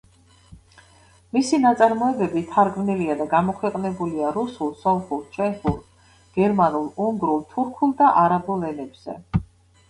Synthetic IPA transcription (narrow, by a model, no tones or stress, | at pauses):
misinat̪sʼaɾmɔɛbɛbit̪ʰaɾɡmniliad̪aɡamɔkʰwɛqʼnɛbuliaɾusulˠsɔnχulˠt͡ʃʰɛnpʰuɾt̪ | ɡ̥ɛɾmanulˠuŋɡɾulˠt̪ʰuɾkʰulˠd̪aʔaɾabulɛnɛbz̥ɛ̰